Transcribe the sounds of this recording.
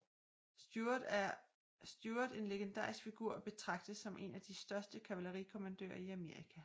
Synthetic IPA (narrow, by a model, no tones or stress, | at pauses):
u | sd̥juɐd̥e̝nle̝ɡ̥end̥ɑ̰̈ːʁisɡ̥fiɡ̥uɐ̰b̥e̝t͡sʰʁɑ̈ɡ̥̚d̥ð̩ˠsɒ̽mʔe̝næd̥isd̥ɶɐsd̥əkʰæʋæləʁikʰo̝mænd̥ø̰ːɐiæme̝ɐ̰ʁikʰæ